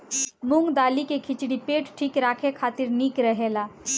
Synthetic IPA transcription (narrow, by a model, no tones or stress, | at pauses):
mʊŋɡd̪aːlikekʰɪt͡ʃɽipeːʈʈʰiːkɾaːkʰekʰaːt̪ɪɾniːkɾəɦeːlaː